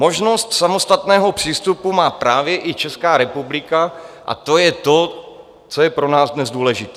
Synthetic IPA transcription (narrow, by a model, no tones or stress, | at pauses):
mo̞ʒno̞st̪samo̞st̪at̪nɛːɦo̞pr̝̥iːst̪upumaːpɾaːvjɛʔɪt͡ʃɛskaːɾɛpublɪkaʔa̰t̪o̞jɛt̪o̞ | t͡sojɛpɾo̞naːzdnɛzduːlɛʒɪt̪ɛː